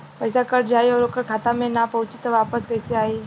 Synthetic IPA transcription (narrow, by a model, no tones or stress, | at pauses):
pəɪsakəʈd͡ʒaːiɔːɾoːkəɾkʰaːt̪amẽnapɐɦʊ̃t͡ʃit̪əʋaːpəskɐɪseaːi